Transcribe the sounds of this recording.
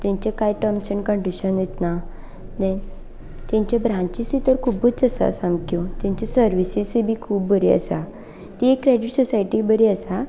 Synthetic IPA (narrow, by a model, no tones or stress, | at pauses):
t̪jãɲt͡ɕakajʈəmsəɳkəɳɖiɕənjet̪na | nɛ | t̪jãɲt͡ɕabɾãt͡ɕisit̪əɾkʰubət͡səsa̰samkot̪jãɲt͡ɕasəɾʋisisibʱiːkʰuːbːəɾiə̰sa | t̪iekːɾeɖiʈsɔsajʈibəɾiəsa